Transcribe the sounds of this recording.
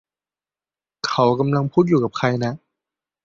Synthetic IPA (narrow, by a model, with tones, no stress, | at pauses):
kʰa˦˥wka˧mla˧ŋpʰuː˥˩juː˨˩ka˨˩kʰa˧jna˦˥